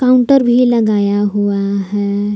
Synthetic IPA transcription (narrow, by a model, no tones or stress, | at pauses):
kaũɳʈəɾbʱilɐɡaːjaɦuaɦɛ